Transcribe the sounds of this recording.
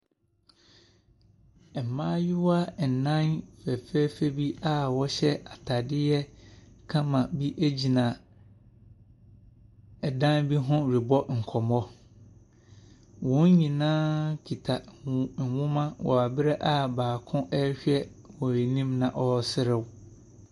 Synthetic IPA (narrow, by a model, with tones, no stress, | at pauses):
ɛ˨m˨mãː˦jʊ˦wa˦˨n̩˨nã˦nfɛ˨fɛ˦fe˦bi˦a˦wɔ˦ɕɛ˦a˨tʰa˨dɪ˦jɛ˦kʰã˦mã˨bi˦ʔe˦d͡ʑi˨nã˨ | ɛ˨dã˦nbi˦ɦʊ̃˦ɾi˨bɔ˦ŋ̩˨kʰɔ˨mɔ˦ | wɔ̃˨˦ɲĩ˨nãː˦kʰi˨tʰa˨wʊ̃˦mã˦wɔ̰˨a˨bɪ˦ɾɛ˦ʔa˦baː˨kʰʊ̃˦ʔɛ˦ɕᶣɛ˦ | wɔ˨ɾi˨nĩ˦mnã˨ʔɔ˦sɪ˦ɾɪ˨w